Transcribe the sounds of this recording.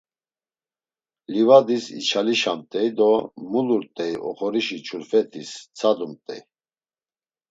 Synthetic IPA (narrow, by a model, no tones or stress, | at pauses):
livad̪isḭt͡ʃʰaliʃamt̪ʼɛjd̪ɔmuluɾt̪ʼɛiʔɔ̰χɔɾiʃit͡ʃʰuɾfɛt̪ʰist͡sʰad̪umt̪ʼɛj